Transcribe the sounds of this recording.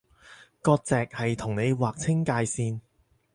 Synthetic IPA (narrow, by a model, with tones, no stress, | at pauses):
kɔː˧k̚t͡sɛː˨k̚hɐ˨jt̪ʰʊ˨˩ŋne˨˧jwaː˨k̚t͡sʰɪ˥ŋkaː˧jsiː˧n